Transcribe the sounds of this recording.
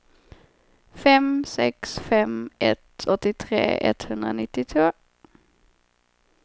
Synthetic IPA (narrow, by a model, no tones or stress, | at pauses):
fɛmsɛ̰ksfɛmɛt̪ɔt̪ːɪt̪ʰɾḛːʔɛ̰t̪hɵnd̪ɾanɪt̪ːɪt̪ʰvoː